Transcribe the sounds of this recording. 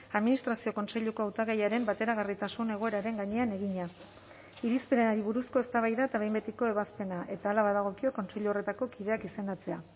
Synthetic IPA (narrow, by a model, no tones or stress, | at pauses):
aðminist̪ɾasio̞ko̞nse̞ʎuko̞awt̪aɣejaɾe̞mbat̪e̞ɾaɣ̞arit̪asune̞ɣo̞e̞ɾaɾe̞ŋɡaɲe̞ane̞ɣiɲa | iɾispeɾenaɾiβ̞uɾusko̞e̞st̪aβajðaet̪aβe̞jmbe̞t̪iko̞e̞βaspe̞naʔe̞t̪aːlaβaðaɣ̞o̞kio̞ko̞nse̞ʎuo̞re̞t̪ako̞kiðe̞akise̞nd̪at͡se̞a